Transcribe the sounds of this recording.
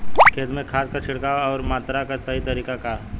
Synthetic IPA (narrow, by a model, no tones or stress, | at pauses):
kʰeːd̪mẽkʰaːt̪̚kat͡ʃʰɪɽkaɔːɾmaːt̪ɾakasɐɦit̪ɐɾiːkaka